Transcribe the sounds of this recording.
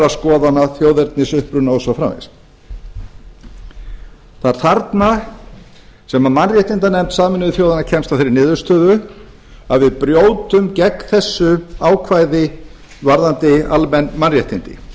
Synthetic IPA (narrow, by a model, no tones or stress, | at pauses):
askɔːðanaθjoːwðɛɾt̪nɪsʏhpɾʏnaɔsafɾa̰mvɪ̰s | θaɾ̥θaɾt̪na | sɛmamanrjɛht̪int̪anɛmt̪saːmɪnʏvɪθjowðanacʰɛmst̪afθejɾɪnɪːðʏ̥st̪ʰœːðʏ | aðvɪðpɾjoːwt̪ʏmcɛkθɛsːʏaːwkʰvajðɪ | vaɾðant̪ɪalmɛnːmanrjɛht̪int̪ɪ̰